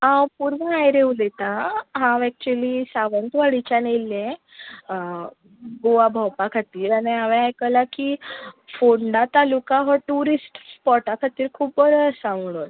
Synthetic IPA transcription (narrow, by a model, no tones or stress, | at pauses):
ãpuɾʋəajɾeulet̪aɦãɛk̚t͡ɕuelisaʋənt̪ʋaɭit͡ɕanelːẽ | ɡoʋabʱawpakʰat̪iːɾaɽiaʋẽajkəlakifoɳɖat̪alukaɦəʈuɾisʈpɔʈakʰat̪iːɾkʰuːbbəɾəsãmɽon